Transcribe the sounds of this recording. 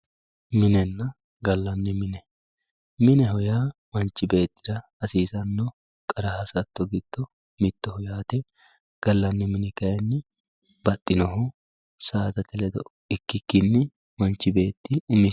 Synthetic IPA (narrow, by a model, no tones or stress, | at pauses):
mɪnɛnːɐ | ɡɐlːɐnːɪmɪnɛ | mɪnɛɦɔjaːmɐnt͡ʃːɪbe̞ːt̪ːɪd̪ɐ | ɐsiːsɐnːɔ | kʼɐɾɐhɐsɐt̪ːɔɡɪd̪̥ːɔ | mɪt̪ːɔhɔjaːt̪ɛ | ɡ̥ɐlːɐnːɪmɪnɛkɐjɛnːɪ | bɐt̪ʼːɪnɔɦɔ | saːt̪ɐt̪ɛlɛd̪ɔʔ | ɪkːɪkːɪnːɪ | mɐnt͡ʃːɪbe̞ːt̪ːɪʊmɪ